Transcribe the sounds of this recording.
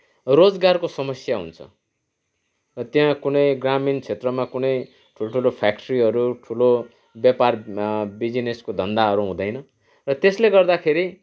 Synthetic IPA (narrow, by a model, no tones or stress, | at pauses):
rod͡zɡarkosʌmʌsjaɦṵnt͡sʰʌ̰ | rʌt̪jãkunʌjɡramint͡sʰet̪rʌmakunʌj | ʈʰuloʈʰulopʰak̚ʈʌɾiɦʌɾuʈʰulo | bjaparbid͡zineskod̪ʱʌnd̪aʌɾuɦũd̪ʌjnʌ | rʌt̪esleɡʌrd̪akʰeɾi